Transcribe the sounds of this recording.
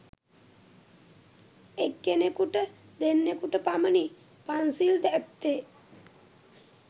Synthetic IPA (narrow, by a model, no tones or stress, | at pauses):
ekɡenekuʈə | d̪enːekuʈəpaməni | pansild̪ɛt̪ːe